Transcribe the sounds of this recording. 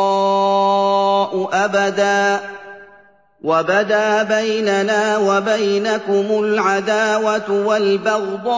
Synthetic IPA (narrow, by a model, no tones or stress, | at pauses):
ɑː | ʔʊʔabad̪aː | wabad̪aːbajnanaːwabajnakʊmʊlʕad̪aːwat̪ʊwalbɑɣd̪ˤɑː